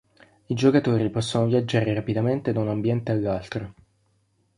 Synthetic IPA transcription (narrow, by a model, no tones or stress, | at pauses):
id͡ʒokat̪oːɾipɔsːonovjad͡ʒːaːɾeɾapid̪ament̪ed̪aunambjɛnt̪ealːalt̪ɾo